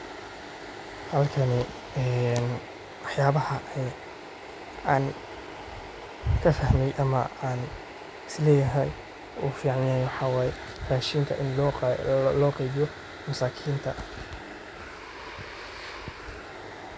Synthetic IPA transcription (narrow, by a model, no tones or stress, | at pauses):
hɐlkʰɐnɪ | ɛn | wɑħjaːβɐhɐɛ | aːn | kʰɐfɐhmɛjʔɐmɐ̰aːn | ɪslɛːjɐɦɛj | uːfiːʕɑnjaːjwɑħɑwaːjɛ | raːʃiːŋkʰɐʔɪnː | lɔːqejβɪjɔ | mʊsaːkʰiːnt̪ʰɐ